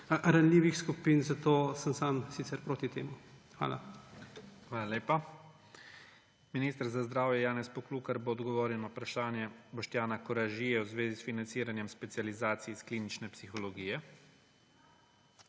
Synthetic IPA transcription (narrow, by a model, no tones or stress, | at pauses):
ɾanliːʋixskupiːnzat̪oːsɐmsaːmsit̪sɛɾpɾoːt̪it̪ḛːmuxʋa̰ːla̰ | xʋaːlaleːpa | miniːst̪əɾzazd̪ɾaːwjɛjaːnɛspɔkluːkaɾboːd̪ɡɔʋɔːɾjɛwnɔpɾaʃaːnjɛbɔʃt̪jaːnakɔɾaʒijɛwzʋeːzisfinantsiːɾanjɛmspɛt̪sjalizaːt̪siiskliːnit͡ʃnɛpsixɔlɔɡiːjɛ